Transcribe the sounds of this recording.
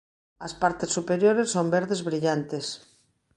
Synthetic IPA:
ɐspaɾt̪esːupeɾjoɾesːombeɾðezβɾiʎant̪es

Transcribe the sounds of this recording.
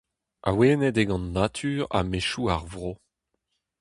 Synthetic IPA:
ʔa̰weːnɛdeɡɑ̃nːat̪ʰyːʁa̰meʃuaʁvʁo

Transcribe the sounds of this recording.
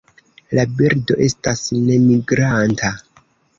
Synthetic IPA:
labiɾdo̞ʔe̞stasne̞miɡɾantʰa

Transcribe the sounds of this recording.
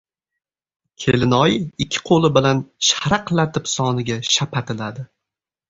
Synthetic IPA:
kʲʰelɪnɒjɪɪkʲʰːɪ̥qʰolˠɪbɪlanʃaɾaqlat̪ʰɪpsɒnɪɡʲaʃapʰat̪ʰɪlad̪ɪ

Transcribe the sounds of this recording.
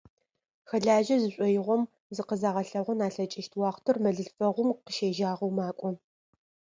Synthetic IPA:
xɐɮaːʒɐzɨɕʷʼɔjɪʁʷɔm | zɨqəzaːʁɐɬɐʁʷɔnaːɬɐt͡ʃʼɪʃtʰwɑːχʷtʰɨrmɐɮɨɬfɐʁʷʊmqəʃeːʒaːʁɐwmaːkʷʼɔ

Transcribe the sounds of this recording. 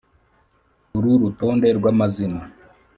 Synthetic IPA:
uɾuɾuto̞ːnde̞ɾɡwamazina

